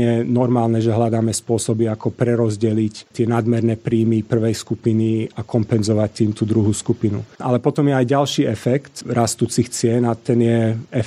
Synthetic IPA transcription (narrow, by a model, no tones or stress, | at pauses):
ɛnɔɾmaːlnɛʒɛɦlad̪aːmɛspʊɔsɔbiakɔpɾɛɾɔzɟɛlict̪ɪɛnad̪mɛɾnɛːpɾiːmipr̩ʋɛjskupiniakɔmpɛnzɔʋac̚t̪iːmt̪uːd̪ɾuɦuːskupinṵʔa̰lɛpɔt̪ɔmjɛajɟalʃiːɛfɛkt̪ɾast̪uːt͡sixt͡sɪɛnat̪ɛnɪjɛɛ